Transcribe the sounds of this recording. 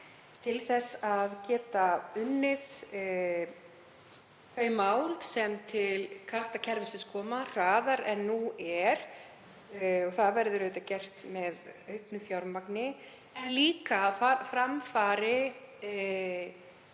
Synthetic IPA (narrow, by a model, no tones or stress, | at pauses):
t̪ʰɪlθɛsaðcɛːt̪aʏnːɪð | t̪ʰvœːɥmːaːwlsɛmt̪ʰɪlkʰast̪acʰɛɾvɪsɪskʰɔːmar̥aːðaɾɛnːuɛɾ̥ | ɔɣθaðvɛɾðʏɾʏːt̪acɛr̥t̪mɛðœhknʏfjawɾmaknɪ | nliːkaːðfafɾamfaːɾɪ